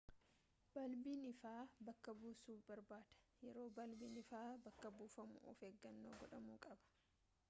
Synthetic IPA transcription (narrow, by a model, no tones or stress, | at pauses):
bɐlbiːnɪfaːbɐkːɐbuːsuːbɐɾbaːd̪̥ɐ̥jɛɾo̞ːbɐlbiːnɪfaːbɐkːɐbuːfɐmṵɔfeːɡːɐnːo̰ːɡɔᶑɐmuːkʼɐbɐ̥